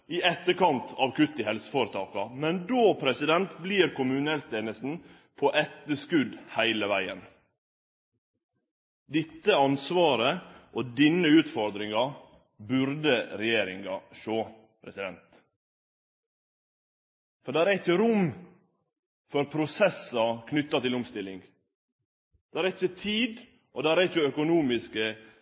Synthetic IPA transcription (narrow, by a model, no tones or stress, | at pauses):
ɪʔɛt̪ːəɾkɑnt̪ʰɑʋkʉt̪ːɪhɛlsə̥foːɾət̪ʰɑːkɑmɛnd̪oːpʰɾɛsɪd̪ɛnt̪bliːɾkʊmʉnɛlst̪eːnəst̪n̩ | pʰɔʔɛt̪ːəʂkʉd̪hæɪləʋæɪən | d̪ɪt̪ːəɑnsʋɑːɾəʔɔd̪ɪnːəʉːt̪fɔɾd̪ɾɪŋɑ | bʉɾd̪əɾɛjeːɾɪŋɡɑʃoː | pʰɾɛsɪd̪ɛnt̪ | fɔɖ̪æɾæɾɪçəɾʊm | fɔɾpʰɾʊsɛsɑkʰnʏt̪ːɑt̪ɪlʊmst̪ɪlːɪŋ | d̪̥æɾɛɪçət̪ʰiːd̪ | ʔɔd̪æɾɛɪçəœkʊnuːmɪskə